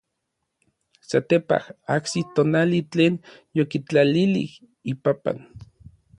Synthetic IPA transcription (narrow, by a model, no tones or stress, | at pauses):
sat̪epa̰haksit̪onalit͡ɬeːnjokit͡ɬalilḭh | ipapa̰n